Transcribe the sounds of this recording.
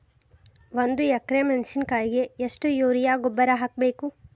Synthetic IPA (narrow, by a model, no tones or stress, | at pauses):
ʋond̪ujɐkɾemenʃinkaːjɡe̞ːʂʈujoːɾijaːɡɔbːɐɾɐɦaːk̚beːku